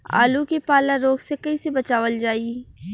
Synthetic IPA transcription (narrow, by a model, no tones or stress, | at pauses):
a̰ːlukipaːlaɾoːɡsekɐisebɐt͡ʃaːʋəld͡ʒaːi